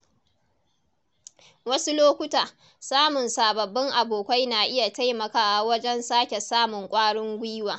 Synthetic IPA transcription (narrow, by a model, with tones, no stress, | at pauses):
wɐ˦su˦loː˦kʷʊ˦taː˨ | saː˦mʊ˨nsaː˨bɐ˨bːɪ˦ŋʔa˨boː˨kʷa˦jnaː˨ʔɪ˦ja˨ta˦jmɐ˨kaː˨wɐ˦d͡ʒɛ˦nsaː˦kʲe˨saː˦mʊ˨ŋkʷʼaː˦ɽɪ˦ŋɡʷiː˦waː˨